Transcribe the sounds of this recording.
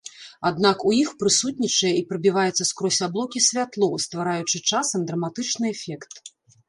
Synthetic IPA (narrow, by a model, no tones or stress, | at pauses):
ad̪nakujixpɾɨsut̪̚ʲnʲit͡ʂɐjɛipɾɐbʲivajɛt̪sːɐskɾɔsʲablˠɔkʲisʲvʲat̪lˠɔst̪vaɾajut͡ʂɨt͡ʂasɐmd̪ɾɐmat̪ɨt͡ʂnɨɛfʲɛkt̪